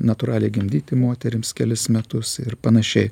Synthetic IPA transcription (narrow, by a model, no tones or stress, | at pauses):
nɐt̪ʊɾɑːlʲɛɪɡʲɪmʲd̪ʲiːt̪ʲɪmoːt̪ʲɛɾʲɪmskʲɛlʲɪsmʲɛt̪ʊsɪɾpɐnɐʃʲɛɪ